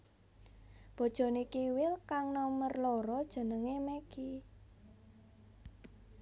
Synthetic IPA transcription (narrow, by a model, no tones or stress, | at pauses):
b̥ɔ̤d̥ʒ̥ɔ̤nekiwɪlkaŋnɔmərloɾɔd̥ʒ̥ə̤nəŋemɛki